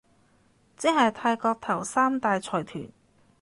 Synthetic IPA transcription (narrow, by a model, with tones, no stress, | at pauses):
t͡sɪ˥hɐ˨jt̪ʰaː˧jkɔː˧k̚t̪ʰɐ˨˩wsaː˥mt̪aː˨˧jt͡sʰɔː˨˩jt̪ʰy̰ː˨˩n